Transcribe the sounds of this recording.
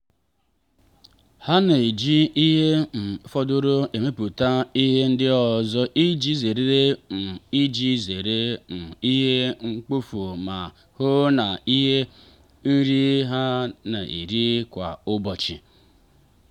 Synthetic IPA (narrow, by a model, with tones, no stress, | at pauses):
ha˦ne˨d͡ʒi˦i˦ɦe˦m̩˨˦fɔ˦dʊ˦ɾo˦e˨me˦pu˨ta˦i˦ɦe˦n̩˦dɪ˦ɔ˨zɔ˦ʔi˦d͡ʒi˦ze˨ɾe˦ɾe˦m̩˨i˦d͡ʒi˦ze˨ɾe˦m̩˨i˦ɦe˦ŋ͡m̩˦k͡pu˦fu˨ma˨ | hʊ˦na˨i˦ɦe˦ | n̩˦ɾi˦ɦa˦na˨ʔḭ˨ɾi˦kʷa̰˨ʊ˦bɔ˨t͡ʃɪ˨